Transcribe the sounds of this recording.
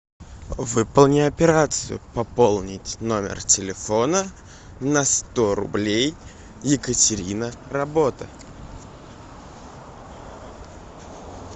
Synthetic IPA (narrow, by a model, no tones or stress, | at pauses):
vɨpəlˠnʲɪɐpʲɪɾat̪sɨjʊ̰pɐpolˠnʲɪtʲno̞mʲɪ̰rtʲɪlʲɪfo̞nə | nɐst̪oɾʊ̰blʲej | jɪkətʲɪɾʲinərɐbot̪ə